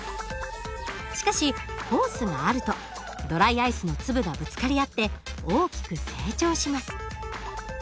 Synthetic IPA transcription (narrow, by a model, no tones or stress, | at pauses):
ɕi̥kaɕiho̞ːsɨɡaːɾɯ̟t̪o̞ | d̪o̞ɾaiaisɨno̞t͡sɨbɯ̟ɡabɯ̟t͡sɨ̥kaɾʲiat̪ːe̞oːkʲi̥kɯ̟se̞ːt͡ɕo̞ːɕimasɨ̥